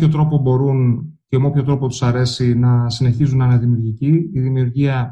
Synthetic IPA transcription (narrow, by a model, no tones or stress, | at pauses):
ço̞t̪ɾo̞po̞bo̞ɾun | cemeopçot̪ɾo̞pot̪u̥sɐɾe̞sinɐsine̞çizunɐneðimiuɾʝiciiðimiuɾʝiɐ